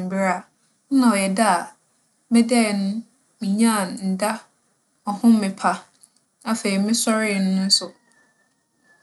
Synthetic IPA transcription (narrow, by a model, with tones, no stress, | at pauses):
m̩˨bɪ˦ɾa˦˨˦ | nã˨ɔ˨jɛ˨da˦a˨˦ | mɛ˦dɛ˦˨nʊ̃˦ | mĩ˨ɲã˦˨nn̩˨da˦ | ɔ˨hʊ̃˦m˦mɪ̃˨pʰa˦ | a˦fe˨i˨˦mɪ̃˦sɔ˦ɾɪ˦˨nʊ̃˦nʊ̃˦sʊ˨